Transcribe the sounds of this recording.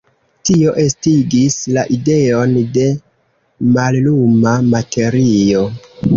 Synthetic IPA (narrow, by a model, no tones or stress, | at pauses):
tio̞ʔe̞stiɡislaʔide̞o̞nde̞ | mallumamate̞ɾio̞